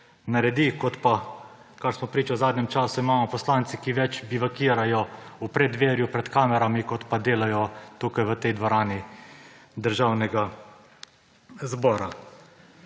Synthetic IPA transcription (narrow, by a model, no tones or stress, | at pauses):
naɾɛd̪ikɔt̪pa | kaɾsmɔpɾiːt͡ʃawzaːd̪nɛmt͡ʃaːsuimaːmɔpɔslaːnt̪sikiʋɛt͡ʃbiʋakiːɾajɔupɾɛd̪ʋeːɾjupɾɛt̪kaːmɛɾamikɔt̪pad̪eːlajɔt̪uːkajʋət̪ɛjd̪ʋɔɾaːni | d̪əɾʒaːwnɛɡa | zbɔːɾa